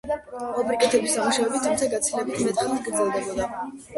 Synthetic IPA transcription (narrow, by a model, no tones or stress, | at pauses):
ɔbɾikʼɛt̪ʰɛbisamuʃavɛbit̪ʰːumt̪sʰaɡat̪sʰilɛbilimɛt̪ʼaɡɾd̪zɛlˠd̪ɛbɔd̪a